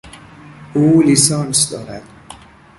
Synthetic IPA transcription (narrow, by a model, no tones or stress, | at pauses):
ʔuːlisɒːnsd̪ɒːɾæd̪̥